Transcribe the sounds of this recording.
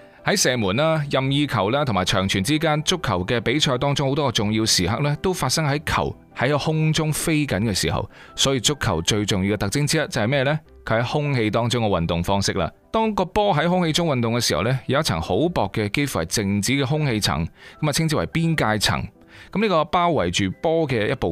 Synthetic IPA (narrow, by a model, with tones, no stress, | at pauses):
hɐ˨˥jsɛː˨˩muː˨˩nlaː˥jɐ˨mjiː˧kʰɐ˨˩wlaː˥t̪ʰŋmaː˨˩jt͡ʃʰœː˨˩ŋt͡ʃʰyː˨˩nt͡siː˥kaː˥nt͡sʊ˥kʰːɐ˨˩wkɛː˧pe˨˥jt͡ʃʰɔː˧jt̪̬ɔː˥ŋt͡sʊ˥ŋho˨˥wt̪ɔ˥kɔ˧t͡sʊ˨ŋjiː˧wsiː˨ɦɐ̰˨k̚lɛː˥t̪o˥wfaː˧t̚sɐ˥ŋɦɐ˨˥jkʰɐ̰˨˩w | hɐ˨˥jkɔ˧hʊ˥ŋt͡sʊ˥ŋfe˥jkɐ˨˥nkɛː˧sḭː˨˩ɦɐ̰˨w | sɔː˨˥jiː˧t͡sʊ˥kʰːɐ˨˩wt͡ʃɵ˧ɥt͡sʊ˨ŋji˧kɛ˧t̪ɐ˨k̚t͡sɪ˥ŋt͡siː˥jɐ˥t̚t͡sɐ˨whɐ˨jmɛː˥˧lɛ˥ | kʰɵ˨˧whɐ˨˥jhʊ˥ŋhe˧jt̪ɔː˥ŋt͡sʊ˥ŋkɛ˧wɐ˨nt̪ʊ˨ŋfɔː˥ŋsɪ˥k̚la̰ː˧ | t̪ɔː˥ŋkɔː˧pɔː˥ɦɐ˨˥jɦʊ˥ŋhe˧jt͡sʊ˥ŋwɐ˨nt̪ʊ˨ŋkɛː˧si˨hɐ̰˨˩wlɛ˥jɐ˨wjɐ˥t̚t͡sʰɐ̰˨˩ŋho˨˥wpɔː˨kːɛ˧ke˥jfu˨˩hɐ˨jt͡sɪ˨ŋt͡siː˨˥kɛ˧ɦʊ˥ŋhe˧jt͡sʰɐ̰˨˩ŋkɐ˨˥mɐ˨˩t͡sʰɪ˥ŋt͡si˥wɐ˨˩jpiː˥nkaː˧jt͡sʰɐ̰˨˩ŋ | kɐ˨mniː˥kɔː˧paː˥wːɐ˨˩jt͡ʃyː˨pɔː˥kɛ˧jɐ˥t̚po˨